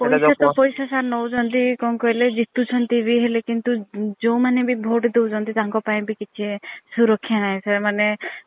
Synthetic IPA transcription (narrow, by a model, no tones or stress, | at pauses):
pɔjsat̪ɔpɔjsasaɾnɔwd͡ʒɔnt̪ikɔŋkɔɦeled͡ʒit̪ut͡ʃʰɔnt̪ibʱiɦelekint̪ud͡ʒow̃manebʱibʱoʈd̪ewd͡ʒʰɔnt̪it̪aŋkɔpaĩbʱikit͡ʃʰiesuɾɔkʰːjanaɦẽsemane